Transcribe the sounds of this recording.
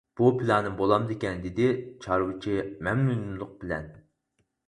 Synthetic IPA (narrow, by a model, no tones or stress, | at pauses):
b̥upʰɨlˠɑnɨmbolˠɑmd̪ekʲɛnd̪ɪd̪ɪt͡ʃʰɑɾwɨt͡ʃʰimɛmnunumlˠʊq̚bɪlɛn